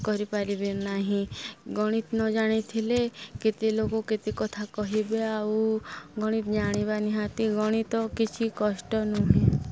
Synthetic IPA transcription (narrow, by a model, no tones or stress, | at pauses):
kɔɾipaɾibinaɦĩɡɔɽ̃it̪nɔd͡ʒaɽ̃it̪ʰileket̪ilokoket̪ikɔt̪ʰakɔɦibeaauɡɔɽ̃it̪d͡ʒaɽ̃ibaniɦat̪iɡɔɽ̃it̪ɔkit͡ʃʰikɔʃʈɔnuɦẽ